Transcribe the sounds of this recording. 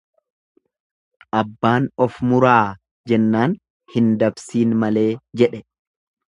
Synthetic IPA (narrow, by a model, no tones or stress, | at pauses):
ʔɐbːaːnɔfmʊɾaː | d͡ʒɛnːaːn | hɪnd̪ɐbsiːnmɐleːd͡ʒɛᶑɛ